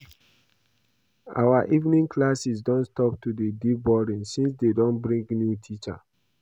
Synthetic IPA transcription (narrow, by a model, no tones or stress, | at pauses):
a̰waʔivnĩŋklasis̬dɔ̃nstɔp̚tudedibɔɾĩnsĩnsdedɔ̃nbɹĩŋɡnjutʰit͡ʃa̰